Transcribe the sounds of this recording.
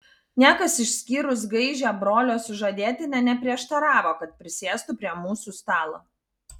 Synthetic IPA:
nʲæːkɐsɪʃʲsʲkʲiːɾʊs̬ɡɐɪʒʲɛːbɾoːlʲoːsʊʒɐd̪ʲeːt̪ʲɪnʲɛnʲɛpʲɾʲiɛʃt̪ɐɾɑːʋoːkɐt̪̚pʲɾʲɪsʲeːst̪ʊpʲɾʲiɛmuːsuːst̪ɑːlˠoː

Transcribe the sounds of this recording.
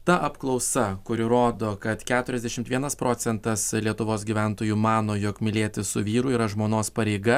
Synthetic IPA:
t̪ɐʔɐpklˠɒʊsɐkʊɾʲɪɾoːd̪oːkɐt̪kʲæːt̪ʊɾʲɛzd̪ʲɛʃʲɪmt̪ʋʲiɛnɐspɾoːt̪sʲɛnt̪ɐslʲiɛt̪ʊʋoːsɡʲiːʋʲɛˑnt̪oːjuːmɑːnoːjokmʲɪlʲeːt̪ʲɪsʊʋʲiːɾʊiːɾɐʒmoːnoːspɐɾʲɛɪɡɐ

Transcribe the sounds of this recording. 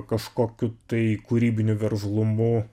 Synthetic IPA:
kɐʃkoːkʲʊt̪ɐɪkuɾʲiːbʲɪnʲʊʋʲɛɾslˠʊmʊ

